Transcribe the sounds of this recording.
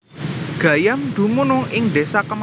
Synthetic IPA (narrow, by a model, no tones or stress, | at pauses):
ɡ̥a̤jamd̪̥ṳmunʊŋɪŋɖesakəm